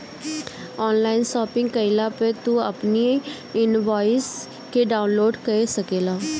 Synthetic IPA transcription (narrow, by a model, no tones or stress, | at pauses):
ɔːnlaːɪnʃɔːpɪ̃ŋɡkəɪlaːpet̪uə̰pni | ɪnʋaːɪs | keɖaːʊnloːɖkəɾesəkeːlaː